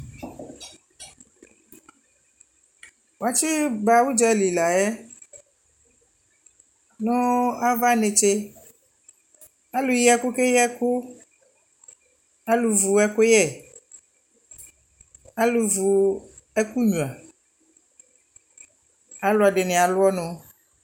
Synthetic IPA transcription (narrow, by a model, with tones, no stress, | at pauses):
wo˨a˨t͡ʃi˦ba˨wu˦d͡ʒɛ˦li˨la˨jɛ˦ | nõ˦a˦va˦ne˨t͡ʃe˦ | a˦lu˨jɛ˦ku˦ke˦jɛ˦ku˦ | a˦lu˨vu˨ɛ˦ko˦jɛ˦˨ | a˦lu˨vu˨ | ɛ˦ku˦ɲũ˨a˨ | a˦lo˨˦a˨ɖe˨ne˨a˨lʊ˦ɔ˦nõ˨˦